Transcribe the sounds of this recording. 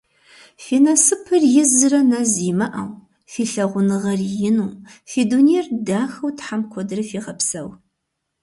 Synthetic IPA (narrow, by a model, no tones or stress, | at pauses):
fiːnɐsɨpʰɨrjɪzɨrɐnaziːmɐʔɐ̰w | fiːɬɐʁʷʊnɨʁɐrjɪnuːfiːdunirdaːxɐwtħamkʷʰɔdɨrɐfiːʁɐpsɐw